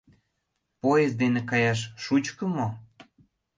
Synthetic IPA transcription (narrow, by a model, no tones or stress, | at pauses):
pojezd̪enekɑjɑʃ̬ːut͡ɕkə̆mo